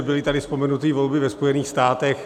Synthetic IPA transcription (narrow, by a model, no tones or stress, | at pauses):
bɪlɪt̪adɪspomɛnut̪iːvo̞lbɪvɛspojɛniːxst̪aːt̪ɛx